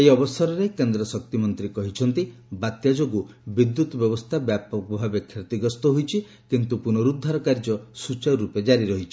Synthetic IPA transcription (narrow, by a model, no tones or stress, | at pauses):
ejɔbɔsɔɾɔɾekend̪ɾɔsɔk̚t̪imɔnt̪ɾikɔɦit͡ʃʰɔnt̪ibat̪jad͡ʒoɡu | bid̪ːut̪ɔbjɔbɔst̪ʰabjapɔkɔbʱabekʰːiɾt̪iɡɔst̪ɔɦojt͡ʃʰi | kint̪upunɔɾud̪ʱːaɾɔkaɾd͡ʒɔsut͡ʃaɾɾuped͡ʒaɾiɾɔɦit͡ʃʰi